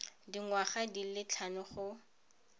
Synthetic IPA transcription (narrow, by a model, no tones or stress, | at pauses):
diŋwaχadilɪt͡ɬʰanʊχʊ